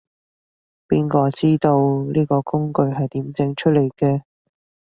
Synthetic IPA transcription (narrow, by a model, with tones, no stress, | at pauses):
piː˥nkɔː˧t͡siː˥t̪o˧wliː˥kɔː˧kʊ˥ŋkɵ˧ɥɦɐ˨jt̪iː˨˥mt͡sɪ˧ŋt͡ʃʰɵ˥t̚le˨˩jkɛː˧